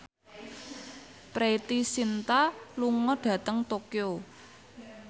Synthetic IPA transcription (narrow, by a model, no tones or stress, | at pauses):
pɾet̪isint̪aluŋɔɖ̥ä̤t̪əŋt̪okio